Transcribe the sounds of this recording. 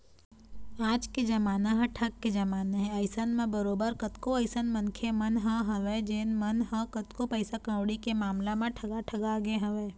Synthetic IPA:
aːd͡ʒked͡ʒɐmaːnaɦɛ̃ʈʰɐɡːed͡ʒɐmaːneɦɛ̃ɐɪsənmẽbɐɾoːbəɾkɐt̪koɐɪsənmɐnkʰemɐnɦɐ̃ɦɐʋeːd͡ʒeːnmɐnɦə̃kɐt̪kopɛɪsakə̃wɽikemaːmlamẽʈʰɐɡaʈʰɐɡaɡeɦɐʋeː

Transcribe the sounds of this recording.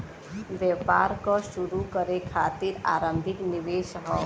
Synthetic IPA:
ʋjɛpaːɾkɔʃuɾukəɾekʰaːt̪iːɾa̰ːɾə̃mbʱɪknɪʋeːʃɦɔ

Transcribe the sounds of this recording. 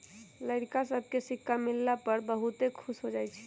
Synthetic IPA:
ləɽkasəbʱkesikʰːamilːapəɾbəɦut̪ekʰusɦod͡ʒajt͡ʃʰɛ̥

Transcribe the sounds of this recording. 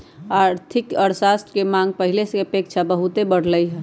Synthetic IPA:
aɾt̪ʰikəɾsasʈkemãŋɡ̚pəɦilesə̃kepek̚t͡ʃʰabəɦut̪ebəɽ̤ləjɦɛ

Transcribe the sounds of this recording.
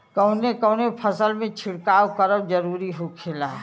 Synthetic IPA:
kəʊnekəʊnepʰəsəlmẽt͡ʃʰɪɽkaːwkəɾəbd͡ʒəɾuːɾiɦokʰela

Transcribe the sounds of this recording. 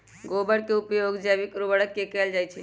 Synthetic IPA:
ɡobəɽkeupjoɡd͡ʒabikɾobəɽəkːekɛld͡ʒajt͡ʃʰɛ

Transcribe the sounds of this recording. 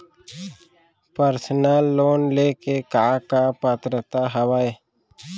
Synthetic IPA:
pəɾsənaːlːoːnleːkekaːkapət̪ɾət̪aɦəwaːe

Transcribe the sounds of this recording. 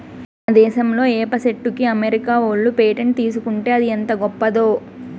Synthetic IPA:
ɐd̪ɛːʃɐmlo̞ːeːpɐseʈːukiɐmeɾikaːoːɭːupeːʈent̪iːs̬ukuɳʈe̞ːɐd̪ient̪ɐɡɔpːɐd̪o̞ː

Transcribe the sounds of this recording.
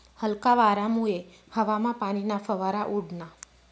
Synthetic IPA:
həlkaʋaːɾamue | həʋamãpaɽ̃inafəʋaɾaʔuɽna

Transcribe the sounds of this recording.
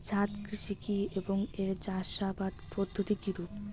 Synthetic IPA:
d͡ʑʱat̪kɾiʃikieboŋeɾd͡ʑaʃabad̪pɾod̪ʱːot̪ikiɾup

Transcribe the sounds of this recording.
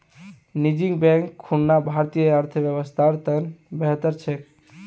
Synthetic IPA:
nid͡ʒiŋɡbɛ̃ŋkʰːunːabʱaɾt̪ijəəɾt̪ʰəbjəβəst̪ʰaɾt̪ənbeɦət̪əɾt͡ʃʰek

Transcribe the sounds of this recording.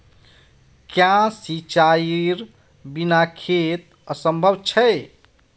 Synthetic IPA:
kjãsit͡ʃaiɾ | binakʰet̪ | əsəmbʱəbt͡ʃʰɛj

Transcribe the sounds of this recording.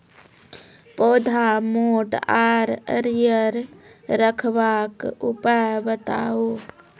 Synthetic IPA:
poːd̪ʱamoːʈaɾə̰ɾjəɾɾəkʰbakupajbət̪a̰o

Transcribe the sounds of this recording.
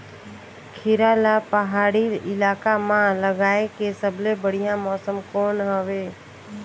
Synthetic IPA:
kʰɪɾaːlapəɦaːɽiɪlaːkamãləɡaːekesəbʱlebəɽ̤ijãmɔːsəmkoːnɦəʋeː

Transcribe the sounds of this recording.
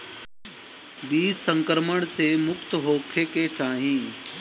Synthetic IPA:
biːd͡ʒsə̃ŋkɾəməɽ̃semʊkt̪ɦoːkʰeket͡ʃaːɦĩː

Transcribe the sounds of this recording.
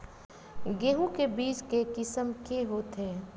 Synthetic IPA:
ɡeːɦũkebiːt͡ʃkekɪsəmkeɦoːt̪ɦɛː

